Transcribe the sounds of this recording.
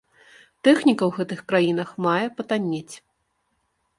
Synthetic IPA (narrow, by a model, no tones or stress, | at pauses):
t̪ɛxnʲikɐwɣɛt̪ɨxkɾajin̪ɐxmajɛpɐt̪anʲːet͡sʲ